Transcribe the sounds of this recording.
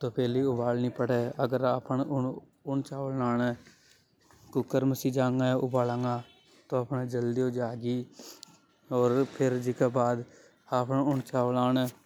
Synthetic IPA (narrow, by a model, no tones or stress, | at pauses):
t̪oːpʰɛːliːʊbaːlnĩːpəɽeːəɡəɾaːpəɳʊn | ʊnt͡ʃaːʋlnaːne | kʊkːəɾməsiːd͡ʒaːŋɡãːʔʊbaːlãːŋɡãː | t̪õːaːpneːd͡ʒəld̪iõːd͡ʒaːɡiː | ɔːɾpʰɪɾd͡ʒɪkaːbaːd̪ | aːpəɳʊɳt͡ʃaːʋlaːne